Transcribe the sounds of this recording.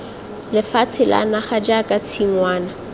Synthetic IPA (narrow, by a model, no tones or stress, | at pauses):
lɪfat͡sʰɪla̰naχad͡ʒakʼat͡sʰiŋwaːna